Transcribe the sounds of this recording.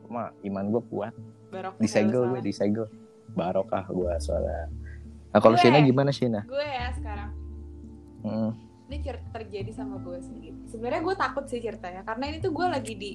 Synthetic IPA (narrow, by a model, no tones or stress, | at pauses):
maimanɡuakṵat̪̚ | baɾok̚diseɡəlɡuadiseɡəl | baɾoka̰hɡuasoa̰la̰ | nakaloʃinaɡimanaʃinaɡuɛjasə̥kaɾaŋ̩ | init͡ʃərt̪at̪ərd͡ʒadisamaɡuɛsəniɡit̪səbənərɲaɡuat̪akʊt̪̚sɪht͡ʃirt̪aɲakaɾənainit̪uɡualaɡidi